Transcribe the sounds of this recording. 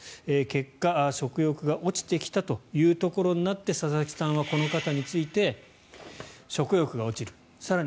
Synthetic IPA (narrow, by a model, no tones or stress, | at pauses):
eːke̞kːaɕo̞kɯ̟jo̞kɯ̟ɡaʔo̞t͡ɕi̥t̪e̞kʲi̥t̪at̪o̞jɯ̟ːt̪o̞ko̞ɾo̞ɲ̟inat̪ːe̞sazakʲi̥sãɰ̃βako̞nokat̪aɲ̟it͡sɨit̪e̞ | ɕo̞kɯ̟jo̞kɯ̟ɡao̞t͡ɕiɾɯ̟ | saɾa